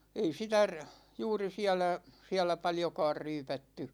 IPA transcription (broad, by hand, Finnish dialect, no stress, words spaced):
ei sitæ r juːri siælæ siælæ pɑljokɑːr ryːpætːy